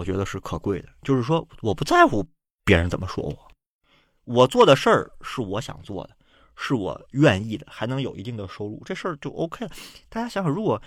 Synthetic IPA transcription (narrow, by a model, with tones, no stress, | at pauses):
ɔ˨˩t͡ɕɥɛ˧˥d̪ə˧ʂɻ̩˥˩kʰɤ˨˩kwe˥˩ɪd̪ə˩t͡ɕjo˥˧ʊʂɻ̩˥˩ʂ̬wɔ˥wɔ˨˩pu˧˥t͡sa˥˩ɪxu˧˩ | pjɛ˧˥ɻə˧˥nt͡sə˨˩nmə˦ʂwɔ̰˥wɔ˨˩˦ | wɔ˨˩t͡swɔ˥˩d̪ə˩ʂə˞˥˧ʂɻ̩˥˩wɔ˧˥ɕjɑ̰˨˩ŋt͡swɔ̰˥˩d̪ə˩ | ʂɻ̩˥˩wɔ̰˨˩ɥɛ˥˧ni˥˩d̪ə˩xa˧˥ɪnɤ˧˥ŋjo˨˩ʊʔi˧˥t̪i˥˩ŋd̪ə˩ʂo˥ʊlṵ˥˩ʈ͡ʂɤ˥˧ʂə˥˧t͡ɕjo˥˧˩ʊʔo̰˥ʊkʰe˥˩ɪt̪a˥˩t͡ɕja˥ɕjɑ˧˥ŋxɻu˧˥kwɔ˨˩